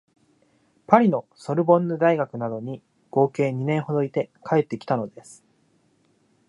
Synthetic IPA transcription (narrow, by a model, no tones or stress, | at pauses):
paɾʲino̞so̞ɾɯ̟bõ̞nːɯd̪aiɡakɯ̟nad̪o̞ɲ̟i | ɡ̥o̞ːke̞ːɲ̟inẽ̞ɰ̃ɦo̞d̪o̞it̪e̞kʰae̞t̪ːe̞kʲi̥t̪ano̞d̪e̞sɨ̥